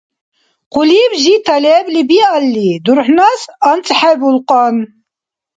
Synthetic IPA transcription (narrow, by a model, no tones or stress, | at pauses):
quliːbʒit̪ʰɐlɛblibialːid̪uɾħnasɐnt͡sʼħɛbulqʼɔn